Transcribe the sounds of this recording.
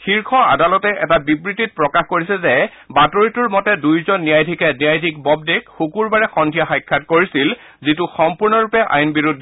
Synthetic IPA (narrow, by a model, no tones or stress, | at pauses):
xiɹkʰɔa̰dalɔtɛʔɛtabibɹitit̚pɹɔkaxkoɹisɛzɛ | batoɹituɹmɔtɛdujzɔnːijajdʱikɛnijajdʱik̚bɔb̚dekxukuɹbaɹɛxɔndʱijaxajkʰːatkoɹisil | zituxɔmpuɹnɔɹupɛʔa̰jnbiɹudʱ